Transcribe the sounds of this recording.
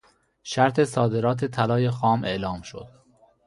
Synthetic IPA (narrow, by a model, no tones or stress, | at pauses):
ʃæɾt̪ʰe̞sɒːd̪e̞ɾɒːt̪ʰe̞t̪ʰælɒːje̞xɒːmʔe̞ʔlɒːmʃo̰d̪̥